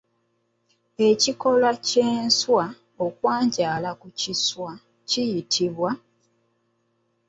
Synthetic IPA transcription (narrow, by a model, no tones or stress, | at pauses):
e̞ciko̞laceːnswa | okwaːɲɟaːlakuciswa | cijitʰiβwa